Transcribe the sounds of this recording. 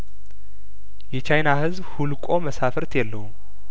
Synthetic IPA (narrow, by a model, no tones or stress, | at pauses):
jɛt͡ʃʰajnahɨzbhulkʼo̞məsafəɾt̪jɛlːəhum